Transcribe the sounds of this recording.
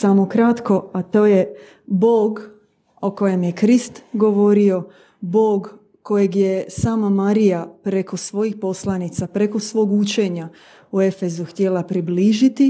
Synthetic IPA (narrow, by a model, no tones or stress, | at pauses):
samo̞kɾat̪ko̞at̪o̞ːje̞ | boːɡ | oko̞je̞mje̞kɾist̪ɡo̞ʋo̞ɾio̞ | bo̞ːɡ | kːo̞jeɡje̞saːmamaɾijapɾe̞ko̞sʋo̞jixpo̞slˠanit̪sapɾe̞ko̞sʋo̞ːɡut͡ʃe̞ɲa | ue̞fe̞zuxt̪jelapɾibliːʒit̪i